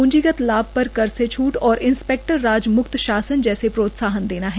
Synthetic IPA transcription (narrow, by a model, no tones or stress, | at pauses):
ʊ̃ɲd͡ʒiɡət̪laːb̚pɐɾkɐɾset͡ʃʰuːʈɔːɾɪnspɛːk̚ʈəɾːaːd͡ʒmʊkt̪ʃaːsənd͡ʒɛːsepɾoːt̪saːɦənd̪eːnaɦɛ